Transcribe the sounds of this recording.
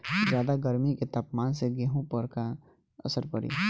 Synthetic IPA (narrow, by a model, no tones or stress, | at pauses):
d͡ʒjaːd̪aɡəɾmiket̪aːpmaːnseɡeɦũpəɾka | ə̰səɾpəɾḭ